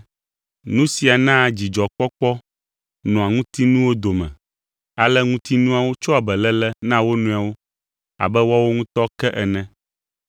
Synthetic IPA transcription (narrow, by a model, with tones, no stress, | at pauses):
nũ˦si˨a˨nã˦˨d͡ʑi˨d͡ʒɔ˨k͡pɔ˦k͡pɔ˦ | nɔ̃˨a˨ŋũ˦t̪i˦nũ˦wo˦d̪o˨mɛ̰̃˨ | a˨lɛ˦ŋũ˦t̪i˦nũ˦a˨wo˦t͡ʃɔ˦a˨bɛ˨lɛ˦lɛ˦nã˦wo˦nũ˦a˨wo˦ | a̰˨bɛ˦wa˦wo˦ŋũ˦t̪ɔ˦kɛ˦ʔɛ˨nɛ̃˦